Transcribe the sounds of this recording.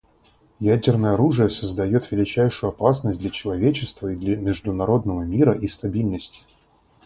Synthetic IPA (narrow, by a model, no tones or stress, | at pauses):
jædʲɪrnəjəɐɾuʐɨjəsəzd̪ɐjo̞t̪vʲɪlʲɪt͡ɕæjʂʊjʊɐpasnəsʲt̚ʲd̪lʲɐt͡ɕɪlˠɐvʲet͡ɕɪst̪vəid̪lʲəmʲɪʐd̪ʊnɐɾo̞d̪nəvəmʲiɾəʔist̪ɐbʲilʲnəsʲtʲɪ̥